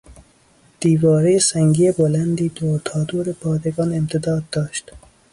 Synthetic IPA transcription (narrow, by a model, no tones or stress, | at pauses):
d̪̥iːvɒːɾejesæŋɡiːebolænd̪iːd̪oːɾt̪ʰɒːd̪uːɾepʰɒːd̪eɡɒːnemt̪ʰed̪ɒːd̪̚ːɒːʃt̪